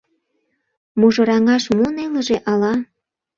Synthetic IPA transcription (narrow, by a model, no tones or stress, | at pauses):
muʒɤ̆ɾɑŋɑʃmoneləʒeʔɑlɑ